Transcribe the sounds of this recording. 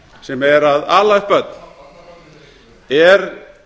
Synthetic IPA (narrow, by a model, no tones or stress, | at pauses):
sɛmɛɾaðaːlapœt̪n̥ | ɛɾ